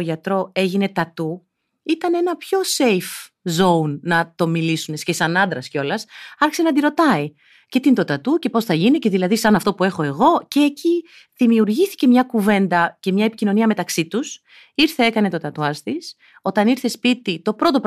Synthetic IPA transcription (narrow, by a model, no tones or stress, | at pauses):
oʝɐt̪ɾo̞e̞ʝine̞t̪ɐt̪u | it̪ɐne̞nɐpço̞se̞jf | zo̞unːɐt̪o̞milisune̞scesɐnɐnd̪ɾɐsco̞lɐsɐɾçi̥se̞nɐd̪iɾo̞t̪ɐi | ce̞t̪int̪ot̪ɐt̪uce̞po̞sθɐʝinice̞ðilɐðisɐnɐft̪o̞pue̞xo̞e̞ɣo̞ce̞ːci | ðimiuɾʝiθi̥ce̞mɲɐkuve̞nd̪ɐce̞mɲɐe̞pi̥cino̞niɐme̞t̪ɐksit̪us | iɾθee̞kɐne̞t̪o̞t̪ɐt̪uɐst̪is | o̞t̪ɐniɾθe̞spit̪it̪o̞pɾo̞t̪o̞p